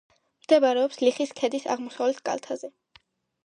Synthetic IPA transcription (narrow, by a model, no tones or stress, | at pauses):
md̪̥ɛbaɾɛɔpsliχiskʰɛd̪isa̰ʁmɔsavlɛt̪ʰkʼa̰lt̪ʰazɛ